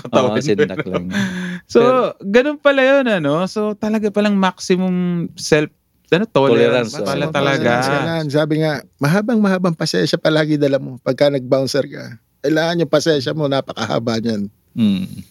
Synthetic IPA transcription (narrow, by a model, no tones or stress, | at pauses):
kɐt̪ɐwnɐl | soɡɐnonpɐlɐjonɐno̞so̞t̪ɐlɐɡapɐlɐŋmak̚sɪmʊŋsɛlf | ɐnot̪ollɛɾanɐlɐt̪ɐlɐɡansɐlansaːbɪŋamɐɦaːbɐŋmɐhaːbɐŋpɐsɛnʃɐpɐlaːɡɪd̪ɐlamo̞pɐɡ̚kɐnɐɡ̚bawnsɛɾka | kɐɪlaːŋɐnjʊŋpɐsɛnʃɐmo̞naːpɐkɐha̰ːbaɲan̩